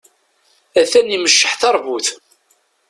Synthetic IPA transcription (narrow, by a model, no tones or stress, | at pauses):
æθæniməʃːəħθɑɾˤvuθ